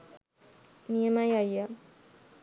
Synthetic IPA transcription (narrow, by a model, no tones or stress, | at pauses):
niemajaja